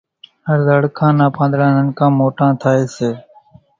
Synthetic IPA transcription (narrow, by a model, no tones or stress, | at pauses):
ɦəɾzəɽkʰãːnãːpʰãːnd̪lãːnənkʰãːmoːʈãːt̪ʰaːeːseː